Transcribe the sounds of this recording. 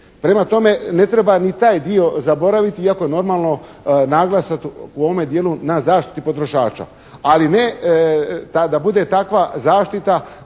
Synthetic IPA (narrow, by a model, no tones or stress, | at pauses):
pɾe̞mat̪o̞me̞ne̞t̪ɾe̞banit̪aːjd̪io̞zabo̞ɾaʋit̪iiako̞jeno̞ɾmaːlˠno̞ | naɡlˠasat̪uo̞ʋome̞d̪jeːlunazaːʃt̪i̥t̪ipo̞t̪ɾo̞ʃaːt͡ʃa̰ | aline | t̪ad̪abud̪e̞t̪akʋazaːʃt̪it̪a